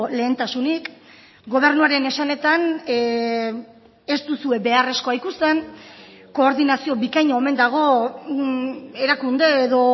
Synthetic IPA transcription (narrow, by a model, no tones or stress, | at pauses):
le̞ːnt̪asunik | ɡo̞β̞e̞ɾnuaɾe̞ne̞sane̞t̪an | e̞st̪usue̞be̞are̞sko̞ajkust̪e̞n | ko̞ːɾðinasio̞bikajɲoome̞nd̪aɣ̞o̞ | e̞ɾakund̪e̞ːðo̞